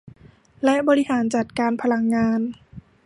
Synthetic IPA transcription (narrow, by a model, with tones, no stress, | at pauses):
lɛ˦˥ʔbɔː˧ɾi˦˥haː˩˦nt͡ɕa˨˩t̪̚kaː˧npʰa˧la˧ŋːaː˧n